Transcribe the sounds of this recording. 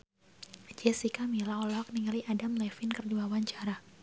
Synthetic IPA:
d͡ʒɛsikamilaɔlɔɔk̚niŋaliʔadamlɛfɪnkərduawaɲt͡ʃaɾa

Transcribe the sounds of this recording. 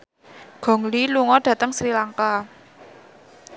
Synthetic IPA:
ɡ̥ɔ̤ŋliluŋɔɖ̥ä̤t̪əŋsɾilaŋka

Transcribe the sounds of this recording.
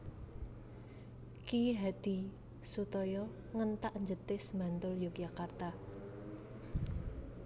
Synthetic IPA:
kiɦad̪̥i̤ | sut̪ɔjɔ | ŋənt̪aʔɲd͡ʒət̪ɪsmant̪ʊljokjakart̪a

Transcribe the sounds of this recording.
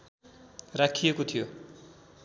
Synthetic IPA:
rakʰijekot̪ʰijo

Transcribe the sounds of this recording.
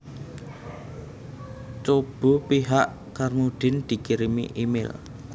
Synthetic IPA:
t͡ʃob̥o̤piɦaʔ | karmuɖ̪̥ɪ̤nd̪̥i̤kiɾimḭʔimɪ̰l

